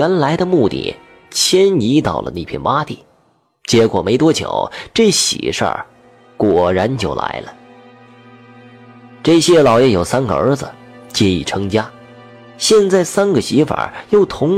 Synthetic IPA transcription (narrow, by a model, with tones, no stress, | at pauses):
ɛ˧˥nla˧˥ɪd̪ə˧mu˥˧t̪ḭ˥˩ | t͡ɕʰjɛ˥ni˧˥t̪ɑ˨˩ʊlə̰˦na˥˩pʰjɛ˥˩nwa˥t̪ḭ˥˩ | t͡ɕjɛ˧˥kwɔ˨˩me˧˥ɪt̪wɔ˥t͡ɕʰjo̰˨˩˦ʊʈ͡ʂɤ˥˩ɕḭ˨˩ʂə̰˞˥˧˩ | kwɔ˨˩ɻa˧˥nt͡ɕjo˥˩ʊla̰˧˥ɪlə˧ | ʈ͡ʂɤ˥˩ɕjɛ˥lɑ˨˩ʊjɛ˥˩jo˨˩ʊsa˥nɡə̰˩ə̰˞˧˥d͡zə˨t͡ɕjɛ˥ḭ˨˩ʈ͡ʂʰɤ˧˥ŋt͡ɕja˥ | ɕjɛ˥˧nt͡sa˥˩ɪsa˥nɡə˨ɕi˧˥fa̰˞˨˩jo˥˩ʊt̪ʰʊ˧˥ŋ